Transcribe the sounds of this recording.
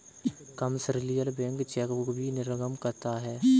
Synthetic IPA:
kəmsɾɪlijəlbɛ̃ːŋkt͡ʃɛːkokbʱinɪɾəɡəmkɐɾt̪aɦɛː

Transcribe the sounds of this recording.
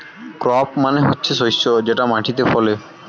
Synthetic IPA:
kɾɔpmaneɦotːɕʰeʃojsːod͡ʑeʈamaʈʰit̪efɔle

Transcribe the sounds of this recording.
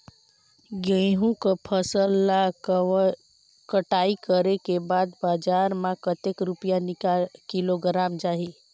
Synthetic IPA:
ɡə̃ɦũkəpʰəsəlːa | kəʈaikəɾekebad̪bad͡ʒaɾmãkət̪ekɾupijaniakiloɡəɾamd͡ʒaːɦi

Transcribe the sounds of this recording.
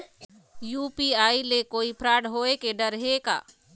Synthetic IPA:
juːpiaːilekoːipʰɾaːɽɦoekeɖəɾɦeka̰ː

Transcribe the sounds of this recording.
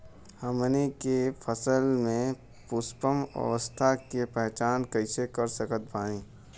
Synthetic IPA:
həmnikepʰəsəlmẽ | pʊspəmə̰ʋəst̪ʰakepɛɦt͡ʃaːnkəɪsekəɾsəkət̪̚bʱaːnĩː

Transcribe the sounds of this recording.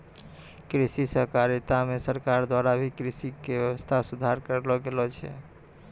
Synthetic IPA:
kɾisisəɦkaɾit̪amesəɾkaɾd̪waɾabʱikɾisikebjəwəst̪ʰasud̪ʱaɾkəɾlɔɡelɔt͡ʃʰɛ̰

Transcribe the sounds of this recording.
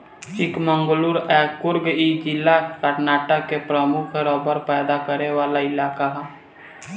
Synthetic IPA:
t͡ʃɪkmə̃ŋɡluɾɛkʊɾɡid͡ʒɪlːakəɾnaːʈəkːepɾəmʊkʰeɾɔːbəɾpɛːd̪akəɾeʋaːlaɪlaːkaɦɛ

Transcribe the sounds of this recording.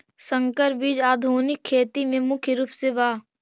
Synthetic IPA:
sə̃ŋkəɾbid͡ʒaːd̪ʱoːnɪkʰːeːt̪imẽmʊkʰjɾuːpseʋaː

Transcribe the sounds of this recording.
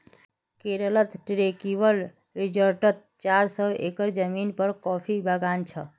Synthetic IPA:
keɾələt̪ʈɾekiwəl | ɾid͡ʒəɾʈət̪̚ | t͡ʃaɾsəḛkəɾd͡ʒəminpəɾkɔpʰibəɡant͡ʃʰə

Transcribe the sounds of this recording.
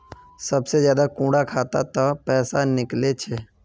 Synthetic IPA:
sɐbsezjaːd̪akũːɽakʰaːt̪a̰t̪ɐpɛːsanɪklet͡ʃʰeː

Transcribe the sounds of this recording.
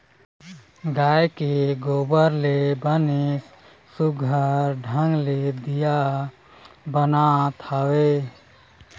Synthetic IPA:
ɡajkeɡobəɾlebənik | suɡʱəɾɖʱə̃ŋɡled̪ija | bənat̪ʰawe

